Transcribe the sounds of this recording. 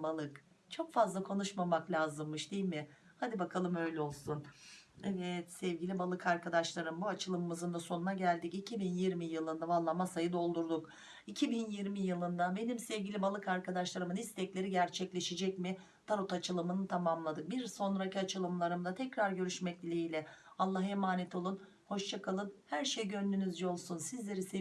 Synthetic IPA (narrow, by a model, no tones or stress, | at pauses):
balˠɯk | t͡ʃʰo̞kfazlˠakʰo̞nuʃmamaklʲaːzɯmːɯʃd̪eilʲmɪ | had̪ibakʰalˠɯmø̞jlʲɛo̞lˠsunɛvɛt̪sɛvɟilʲibalˠɯkʰaɾkʰad̪aʃlˠaɾɯmbuat͡ʃʰɯlˠɯmɯmɯzɯnd̪aso̞nunaɟælʲd̪icicʰibinjiɾmijɯlˠɯnd̪avalˠːamasajɯd̪o̞lˠd̪uɾd̪uk | icʰibinjiɾmijɯlˠɯnd̪abe̞nimsɛvɟilʲibalˠɯkaɾkʰad̪aʃlˠaɾɯmɯnist̪ʰɛclʲe̞ɾiɟæɾt͡ʃʰɛclʲe̞ʃed͡ʒɛcmɪ | d̪ʰaɾut̪at͡ʃʰɯlˠɯmɯnɯt̪ʰamamlˠad̪ɯk̚biɾso̞nɾaciat͡ʃʰɯlˠɯmlˠaɾɯmd̪at̪ʰɛcɾaɾɟø̞ɾyʃmɛcʲlʲeilʲɛalˠːaɦemaːnɛt̪ʰo̞lˠun | ho̞ʃt͡ʃʰakʰalˠɯnhæɾʃejɟønd̪ynyzd͡ʒɛo̞lˠsunsizlʲe̞ɾise